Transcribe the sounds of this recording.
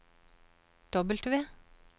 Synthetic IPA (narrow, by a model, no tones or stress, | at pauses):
d̪̥ɔbəlt̪ʰʉʋeː